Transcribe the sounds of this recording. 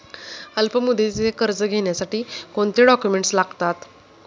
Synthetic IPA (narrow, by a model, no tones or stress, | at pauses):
əlpəmud̪et͡sekəɾd͡zəɡʱeɳjasaʈiːkoɳt̪eɖɔkjumeɳʈslaɡt̪at̪